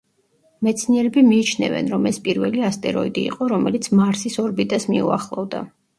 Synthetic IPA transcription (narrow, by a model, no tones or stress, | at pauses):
mɛt̪sʰniɛɾɛbimiːt͡ʃʰnɛ̰vɛ̰nɾɔmɛspʼiɾvɛliast̪ʼɛɾɔid̪ḭːqʼɔɾɔmɛlit̪sʰmaɾsisɔɾbit̪ʼasmḭṵa̰χlˠɔvd̪a̰